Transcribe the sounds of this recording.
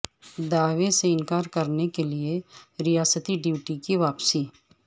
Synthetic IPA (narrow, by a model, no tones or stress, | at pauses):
d̪aːʋeseɪ̃nkaːɾkɐɾnekelieɾɪjaːsət̪iɖiʋʈikiʋaːpsiː